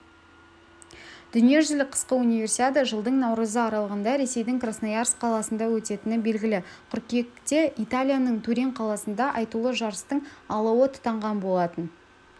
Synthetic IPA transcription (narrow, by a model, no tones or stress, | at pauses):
d̪̥ʏnije̞ʒʏlʲɪqʰə̥sqəunijvʲe̞rsit̪ʲet̪əʒəlˠd̪əɴnɑwɾəzəɑɾɑlˠəʁənd̪ɑɾe̞se̞jd̪ɪŋkrasnajarsqʰɑlˠɑsənd̪ɑwɵt̪e̞t̪ɪnɪbe̞lɡʲɪlɪqʰʏɾkʲe̞kt̪e̞ʔit̪alʲijanəɴt̪ʰuɾʲeɴqʰɑlˠɑsənd̪ɑʔɑjt̪ulˠəʒɑɾəst̪əɴɑlˠɑwət̪ʰʊ̥t̪ɑɴʁɑnbo̞lˠɑt̪ən